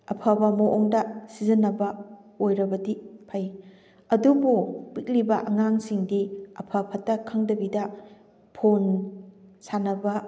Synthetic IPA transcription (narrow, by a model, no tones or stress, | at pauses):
ɐpʰabɐmɐʔoŋdɐsizɐnɐbɐojɾɐbɐdipʰɐj | ɐdububik̚libɐʔɐŋaŋsiŋdiɐpʰɐpʰɐtːɐkʰɐŋdɐbidɐ | pʰon | sanɐbɐ